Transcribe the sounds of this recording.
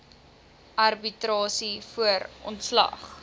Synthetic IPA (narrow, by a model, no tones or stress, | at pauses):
ʔɐrbitrɑːsifuəɾʔɔntslɐ̰χ